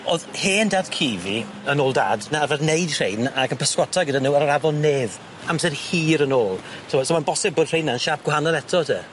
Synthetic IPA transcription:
oðheːndadkʰiːvḭ | ənoːlˠda̰ːdnavɛðnejd̥r̥ejnakənpʰəskwɔtʰaɡədanuːaɾɔɾavɔlˠneːv | amsɛrhiːɾənoːlˠsʰɔsomanbɔsɪb̚ədrejnːaənʃap̚ɡ̥wɦanɔlɛtʰɔtʰə

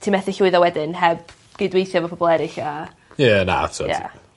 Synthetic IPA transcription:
tʰimɛθɪɬʊɨðawɛdɪnhɛb̚ | ɡ̥ɪdwejθjavɔpʰɔbɔlˠɛɾɪɬa | jəna̰tʰja̰

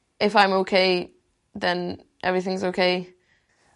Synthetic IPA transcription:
ʔɪfãɪ̃moʊkʰeɪ | ðə̃n | ʔɛ̰vɹiθɪ̃ŋɪzoʊkʰeɪ

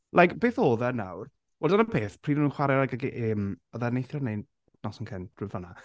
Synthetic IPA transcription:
lʔajkb̥eːθoːðɛna̰wr | wɛldanəpʰeːθpʰr̥iːnənuːnχwaɾjaaɡaɡiʔɪmɔðɛnejθjɔrnejn | nɔsənkʰɛnd̥rɪvɔna

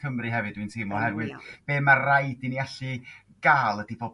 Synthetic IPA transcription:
əmrɨɦɛvɨdwɨntʰiːmɔhɛrwɨðb̥eːmarajdiniaɬɨ | ɡ̥aːlˠədiboːb

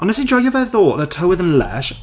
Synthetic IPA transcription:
ʔə̃nəsɪ̃nd͡ʒɔɪəvəθɔˑʔðətʰəʊəðə̃nlɛ̰ʃ

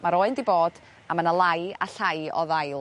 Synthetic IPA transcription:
maɾoɨndiboːd̥ | amənəlˠaja̰ɬajɔ̰ðajlˠ

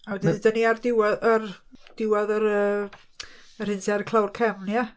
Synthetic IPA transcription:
awɛdiðdəniardɪwaðərd̥ɪwaðəɾəː | ər̥hɪnsʰiaɾkʰlˠawrkʰɛmnja

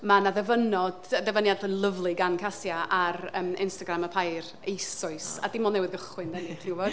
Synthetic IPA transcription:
manaðɛvənɔdəðɛvənjadʰəlˠəvlˠɨɡankʰasjaʔarəmɪ̰nstaɡɾaməpʰajr | ejsʊɨsadimɔnɛwɨðɡəχwɨndɛnitʰrɪwvɔd̥

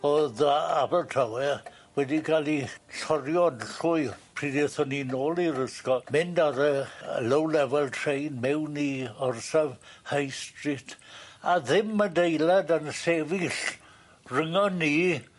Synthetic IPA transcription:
oðabɛtʰrawɛ | wɛdikʰalˠiɬɔɾjɔdɬʊɨpʰr̥iːdeθɔninoːlˠiɾəskɔmɪndaɾəlowlɛvɛlˠtʰrejnmɛwniɔrsavhajstrɪtʰaðɪmːadejladanseːvɪɬ | rəŋɔnːiː

